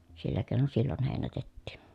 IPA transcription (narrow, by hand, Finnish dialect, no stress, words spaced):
silːæ keˑi̯non silːon heˑinætetːiˑn̞